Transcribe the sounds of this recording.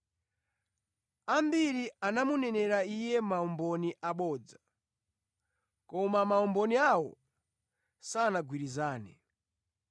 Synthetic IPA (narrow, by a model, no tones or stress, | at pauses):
ambiɾianamunɛnɛɾaijɛmaɔmbɔniʔaɓɔːd͡za | kɔmamaɔmbɔniawɔ̰ | saːnaɡwiɾizaːnɛ